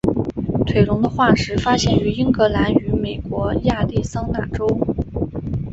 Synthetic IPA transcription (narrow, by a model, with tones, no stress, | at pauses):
t̪ʰwe˨˩ɪlʊ˧˥ŋd̪ə˧xwa˥˩ʂɻ̩˧˥fa˥ɕjɛ˥˩ny˧˥i˥ŋkɤ˧˥la˧˥ny˧˥me˨˩ɪkwɔ˧˥ja˥˧t̪i˥˩sɑ˥ŋna˥˩ʈ͡ʂo˥ʊ